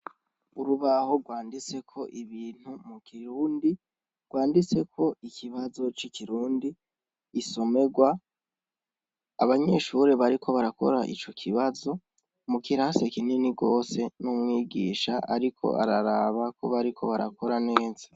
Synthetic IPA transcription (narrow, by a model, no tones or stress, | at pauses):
uɾuβaho̞ɡwaːndit͡se̞kʰo̞ʔiβiːn̥humukiɾuːndi | ɡ̥waːndit͡se̞kʰo̞ikʰiβazo̞t͡ʃikʰiɾuːndiː | so̞me̞ɡwa | aβaɲe̞ːʃuɾe̞βaɾikʰo̞βaɾako̞̰ɾaʔḭt͡ʃo̞kʰiβazo̞ | mukiɾaːnsekininiɡo̞ːse̞numŋiːɡiːʃaʔa̰ɾikʰo̞̰a̰ɾaɾaːβako̞βaɾikʰo̞βaɾa̰ko̞ɾane̞ːz̥a